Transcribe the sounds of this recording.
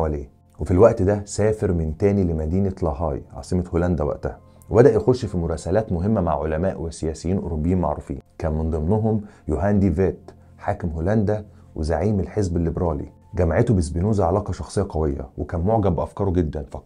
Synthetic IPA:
wæleː | wefilwæʔt̪d̪æsæːfeɾment̪æːnilemæd̪iːnelɑɦɑ̰ːjʕɑ̰ːsˤemɑholænd̪æwæ̰ʔt̪æhæ | webæd̪æʔjexoʃːfimoɾˤɑːsælæːt̪moɦemːæma̰ʕʕolæmæːʔwesːejæːsejiːnʔoɾobːejiːnmaʕɾṵːfḭːnkæːnmend̪ˤemnoɦomjoɦænd̪iveːt̪ | ħaːkemɦolænd̪æ | wezaʕiːmelħezbelːebɾɑːlḭ | ɡæmaʕet̪obezbenuːzæʕalɑːqɑʃɑxsˤejːɑqɑwejːɑ̰wekæːnmoʕɡæbbeʔæfkɑːɾoɡed̪ːænfɑqɑˤ

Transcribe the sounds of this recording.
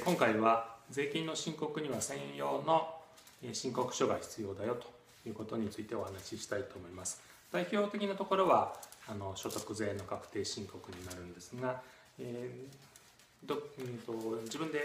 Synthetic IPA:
kõŋkaiβad͡ze̞ːkʲĩnːo̞ɕĩŋko̞kɯ̟ɲ̟iβasẽ̞jo̞ːno̞ | eɕĩŋko̞kɯ̟̥ɕo̞ɡaçʲi̥t͡sɨjo̞ːd̪ajo̞t̪o̞̥ | jɯ̟ːko̞t̪o̞ɲ̟it͡sɨit̪e̞o̞hanaɕiɕi̥t̪ait̪o̞ːmo̞imasɨ̥ | d̪̥aiçʲo̞ːt̪e̞kʲinat̪o̞ko̞ɾo̞βaːno̞ɕo̞t̪o̞kɯ̟ze̞ːno̞kakɯ̟̥t̪e̞ːɕĩŋko̞kɯ̟ɲ̟inaɾɯ̟̃nd̪e̞sɨɡa | e | d̪ot̪od͡ʑibɯ̟nd̪e̞

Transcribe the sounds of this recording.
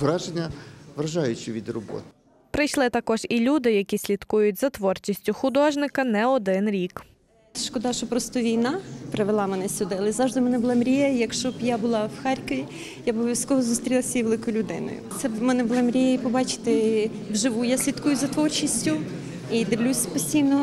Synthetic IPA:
ʋɾɑʒenʲːɐʋɾɐʒɑjʊt͡ʃɪʋʲid̪rɔbɔ̰t̪ɪ̥ | pɾɪjʃlˠɪt̪ɐkɔʒilʲud̪ɪjɐkʲisʲlʲit̪kujʊtʲzɐt̪ʋɔrt͡ʃisʲtʲʊxʊd̪ɔʒnɪkɐnɛɔd̪ɪnɾʲik | ʃkɔd̪ɑʃɔpɾɔst̪ɔʋʲijnɑpɾeʋelˠɑmenɛsʲʊd̪ɪɐlˠɛzɑʒd̪ɪmɛnɛbʊlˠamɾʲijɐjɐkʃt͡ʃɔbjabʊlˠɑwxɑɾʲkɔʋʲi | jabɔʋʲʋʲjʲɐsʲkɔɦɔzuːst̪ɾʲilˠasʲɐiʋelˠɪkɔjʊlʲʊd̪ɪ̰nɔ̰jʊ̰t̪sɛmɛnɛbʊlˠɛmɾʲijɛipɔbɑt͡ʃɪ̥t̪ɪ | wʒɪʋujasʲlʲit̪kujʊzɐt̪ʋɔrt͡ʃisʲtʲʊ | id̪ɪʋlʲusʲpɔsʲtʲijnɔ

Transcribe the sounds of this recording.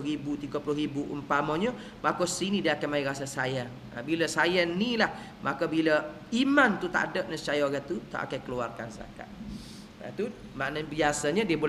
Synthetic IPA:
ɾibut̪iɡəpulʊribuʔə̰mpamɔɲə | makosinĩdiəakamaiɾasasajaŋ | a̰biləsajanĩlah | mʔakobilə | imant̪ut̪a̰ʔadəp̚nəst͡ʃajaɡat̪ut̪a̰ʔa̰kakəluarka̰nsa̰ka̰t̪̚ | a̰t̪u | maʔnəbiasaɲədiəbo

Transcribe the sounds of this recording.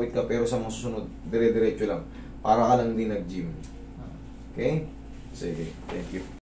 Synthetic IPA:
wɪt̪kɐpɛːɾosɐmɐŋasuːsʊnod̪̚ːɛɾɛd̪ɛɾɛːt͡ʃolɐŋ | paːɾɐkɐlɐŋd̪inːɐɡ̚d͡ʒim | ʔa̰ | ʔokɛj | sḭːɡɪt̪ɛŋkju

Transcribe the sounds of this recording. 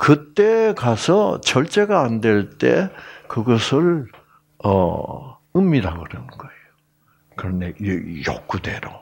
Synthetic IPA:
kɯt͈e̞kasʰʌ̰t͡ɕʌɭt͡ɕ͈e̞ɡaːndwe̞ɭt͈e̞kɯɡʌsʰɯɭ | ʌ̰ | ɯmːiɾaɡoɾenɯnɡ̥ʌejo | kɯɾʌndejʌ̰k͈udeɾo

